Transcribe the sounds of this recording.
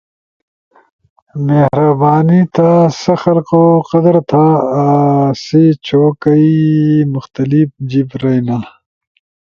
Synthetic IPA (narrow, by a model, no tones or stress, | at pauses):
mehɾɐbaːnit̪asɐxɐlqoqɐd̪ɐɾt̪ʰa | sit͡ɕʰoːkɐimʊxt̪ɐlipd͡ʑibɾɐjna